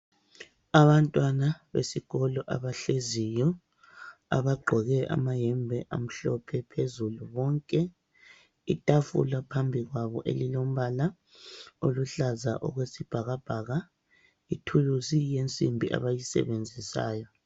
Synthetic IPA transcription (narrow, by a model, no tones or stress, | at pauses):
aβantʼwanaβḛsiɣɔlɔʔa̰βaɬezijɔ | a̰βaɡ͡ǃʱɔɣɛʔa̰maɦɛmbʱɛʔa̰m̩ɬɔpʰɛpʰezuluβɔŋkʼɛ | itʼafṵlapʰambʱiɣwaβɔ̰ʔḛlilom̩βala | oluɬaza̰ʔɔ̰ɣwesib̥ʱaɣab̥ʱaɣa | itʰuluzijent͡sʼḭmbʱiʔa̰βajisɛ̰βend͡zʱisa̰ːjɔ